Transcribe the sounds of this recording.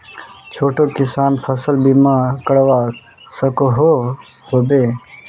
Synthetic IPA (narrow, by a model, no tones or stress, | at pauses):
t͡ʃʰoːʈokisaːnpʰəsəlbimakəɽʋa | səkoɦo | hoːbe